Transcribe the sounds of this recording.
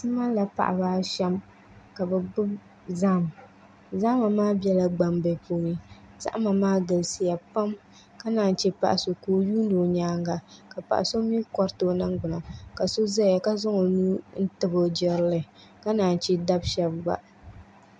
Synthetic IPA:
sɨ˦ma˦la˨pa̰˨ʔa˨baː˦ʃɛ˦m | ka˨bɛ˨ɡ͡bɨ˦b | za˦˨m˨ | za˦ma˨maː˦bɛ˦la˨ɡ͡ba˨mbɛ˨puː˦nɨ˦ | z̥a̰˦ʔma˨maː˦ɡɨ˨lsi˨ja˨pa˦m | ka˦naː˨n̩˨t͡ʃɛ˦pa̰˨ʔa˨so˨koː˦juː˦ndo˨ɲaː˦ŋɡa˨ka˨pa̰˨ʔa˨so˦mi˦kɔ˦ɾto˨˦na˦ŋɡ͡bʊ˨na˨ka˨so˦za˦˨a˨ka˦zʊ˦ŋo˨nuː˦n̩˦tɨ˨bo˨d͡ʒɪ˦ɾlɨ˨ | ka˦naː˨n˨t͡ʃɛ˦da˦bʃɛ˦bba̰˦

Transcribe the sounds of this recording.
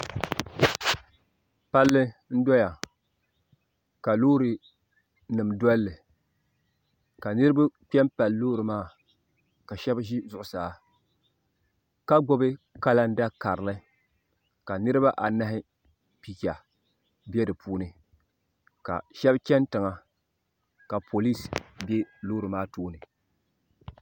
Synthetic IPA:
pa˦lːɨ˦n̩˦dɔ˦ja˨ | ka˨loː˦ɾɨ˨ | nɨ˨mdɔ˦lːɨ˨ | ka˨nɨ˦ɾɨ˦ba˦k͡pɛ˦mpa˨lːoː˦ɾɨ˨maː˦˨ | ka˨ʃɛ˦bʒi˦zʊ˨ʔʊ˨saː˨ | ka˦ɡɔ˦bɨ˦ka˦la˦n˦da˦ka˨ɾɨ˨lɨ˦ | ka˨nɨ˦ɾɨ˦ba˦ʔa˨na˦ɦɪ˦ | pi˨kʲa˨ | bɛ˦dɨ˨pʰuː˦nɨ˨ | ka̰˨ʃɛ˦bt͡ʃɛ˦ntɨ˨ŋa˨ | ka˨pʰo˨li˦sbɛ˦loː˦ɾɨ˨maː˦toː˦nɨ˨

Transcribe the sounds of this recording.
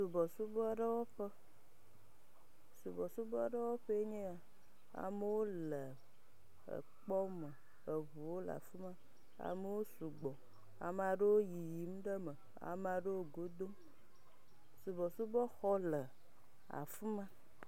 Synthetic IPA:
su˨bɔ˨su˦bɔ˦ɖə˦wɔ˦ɸə˦ | su˨bɔ˨su˦bɔ˦ɖə˦wɔ˦ɸe˦ɲẽ˦a˨ | a̰˨me˦wo˦lə˨ | ə̰˨ | k͡pɔ˦mə˨ | ə˨βu˨wo˦l̰a̰˨fu˦mã˦ | a̰˨me˦wo˦su˨ɡ͡bɔ˨ | a̰˨m˨a˨ɖe˦wo˦ji˨ji˨˦m̩˦ɖə˦mə˨ | a̰˨m˨a˨ɖe˦wo˦ɡo˦d̪o˦m | su˨bɔ˨su˦bɔ˦xɔ˦lə˨ | a̰˨fu˦mã˦

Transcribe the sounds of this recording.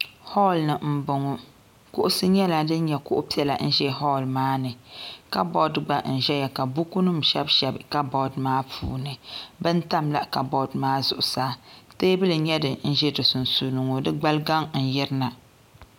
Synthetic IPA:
hɔ˦lnɨ˨m̩˨bʊ˨ŋʊ˨ | kʊ˦ʔʊ˦sɨ˦ɲɛ˦la˨dɨ˦n˦ɲɛ˨kʊ˦ʔʊ˦pi˦ɛ˨la̰˨n̩˦ʒɛ˦ɦɔ˦˨lmaː˦nɨ˨ka˦bɔ˦dɡ͡ba˦n̩˨ʒɛ˦ja˨ka˨bu˦ku˦nɨ˦mʃɛ˦bʃɛ˨bka˦bɔ˦dmaː˦pʰṵː˨nɨ˨bɨ˦n˦ta˦mla˦ka˨bɔ˦˨dmaː˦zʊ̰˨ʔʊ˨saː˦teː˦bɨ˦lɨ˨ɲɛ˦dɨ˨n̩˦ʒɛ˦dɨ˨su˨n˨su˨nɨ˨ŋo˨dɨ˦ɡ͡ba˦lɡa˦ŋn̩˨jɛ˦ɾɨ˦na˨

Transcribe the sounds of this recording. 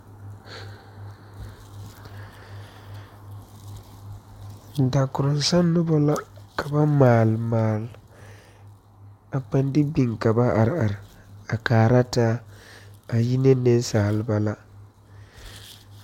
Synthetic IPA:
n̩˨da˨kʊ˨ɾʊ˨n˨sa˦nː˦ʊ˦ba˦la˦ka˨ba˦maː˨lmaː˨l | a˨pa˦ndɪ˦bi˨ŋka˨ba˦ʔa˨ɾɪ˨a˨ɾɪ˨ | a˨kaː˨ɾa˦taː˦ | a˨ji˦ne˦ne˦n˦saː˨lɪ˦ba˦la˦

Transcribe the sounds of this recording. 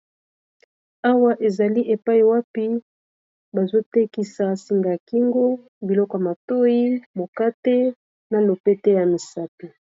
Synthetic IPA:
a˦wa˦ʔe˨za˨li˦ʔe˨pa˦i˨wa˦pi˦ | ba˨zo˦te˦ki˦sa˨si˨ŋɡa˨ki˦ŋɡo˦ | bi˨lɔ˦kɔ˨ja˨ma˨to˦ji˦mo˨ka˦te˦ | na˨lo˨pe˦te˦ja˨mi˨sa˦pi˨

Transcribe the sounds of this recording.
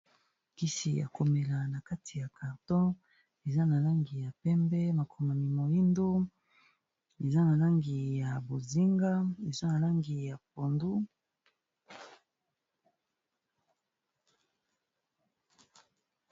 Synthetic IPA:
ki˦sḭ˨jʔa̰˨ko˨me˨la˨na˨ka˦tʰi˨ja˨ka˨ʁtɔ̃˦ | e˨za˦na˨la˦ŋɡi˨ja˨pɛ˦mbɛ˦ma˨kʰo˨ma˨ni˨mo˨ji˦ndo˦ | e˨za˦na˨la˦ŋɡi˨ja˨bo˨zi˦ŋɡa˦e˨za˦na˨la˦ŋɡi˨ja˨p̚o˨ndu˦

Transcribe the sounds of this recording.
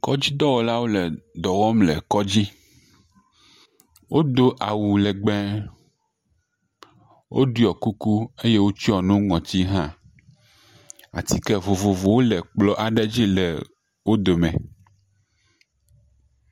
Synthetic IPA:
kɔ˦d͡ʑi˦d̪ɔ˦wɔ˨la˦wo˦lɛ˨d̪ɔ˨wɔ˦mlɛ̰˨kɔ˦d͡ʑi˦ | wʔo˦d̪o˦ʔa˨wu˨lɛ˨ɡ͡bɛ˦ | wʔo̰˦ɖu˦ɔ˨ku˦ku˦e˦je˦wo˦t͡ɕi˦ɔ˨nũ˦ŋɔ̃˨t̪i˦ɦã˦ | a̰˨t̪i˦kɛ˦vo˨vo˨vo˨wo˦lɛ˨k͡plɔ˦ʔa˨ɖɛ˦d͡ʑi˦lɛ˨ | wo˦d̪o˨mɛ̰̃˨

